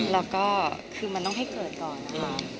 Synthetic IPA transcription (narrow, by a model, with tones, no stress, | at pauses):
lɛː˦˥wkɔː˥˩kʰɯː˧ma˧nt̪ɔ˥˩ɦa˥˩jkɤː˨˩t̪̚kɔː˨˩nːa˦˥˦kʰa˦˥